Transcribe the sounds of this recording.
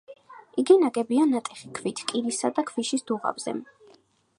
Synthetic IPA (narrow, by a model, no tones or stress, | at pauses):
iɡinaɡɛbianat̪ʼɛχikʰvit̪ʰkʼiɾisad̪akʰviʃisd̪̥uʁa̰vz̥ɛ̰